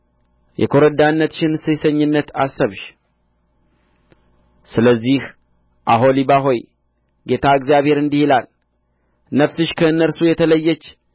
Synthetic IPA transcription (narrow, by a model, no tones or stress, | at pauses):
jɛ̰kʰo̞ɾəd̪anːət̪ʃɪnsɨsəɲːɪnːət̪a̰sːəβʃ | sɨləzːih | ʔaɦo̞liβaɦo̞j | ɡe̞t̪ʰaɨkzijaβhe̞ɾɨnd̪ihilal | nəfsɨʃkʰəɨnːəɾsujɛt̪ʰələjːət͡ʃː